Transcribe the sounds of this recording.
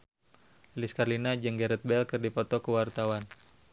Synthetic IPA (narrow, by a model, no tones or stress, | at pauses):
liskarlinad͡ʒəŋɡɛɾɛt̪̚bɛlkərdipɔt̪ɔkəwart̪awan